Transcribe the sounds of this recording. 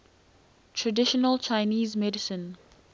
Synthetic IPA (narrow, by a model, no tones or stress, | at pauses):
tʰɹədɪʃɔnəlt͡ʃʰaɪniːzmɛdɪsə̃n